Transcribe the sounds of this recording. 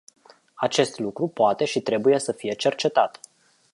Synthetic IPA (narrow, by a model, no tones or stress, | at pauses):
at͡ʃe̞st̪lukɾupoat̪e̞ʃit̪ɾe̞buje̞səfije̞t͡ʃe̞rt͡ʃe̞t̪at̪